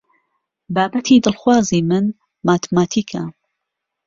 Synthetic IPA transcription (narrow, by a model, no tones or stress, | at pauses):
baːbɐt̪ʰiːd̪ɨlˠxwaːziːmɨn | maːt̪ʰmaːt̪ʰiːkʰa